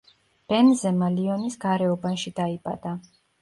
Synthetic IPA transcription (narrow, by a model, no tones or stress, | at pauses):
b̥ɛnzɛmaliɔnisɡaɾɛɔbanʃid̪aipʼa̰d̪̥a